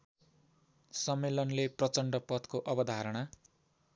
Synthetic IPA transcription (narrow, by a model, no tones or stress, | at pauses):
sʌmːelʌnleprʌt͡sʌɳɖʌpʌt̪koʔʌbʌd̪ʱaɾʌɽ̃a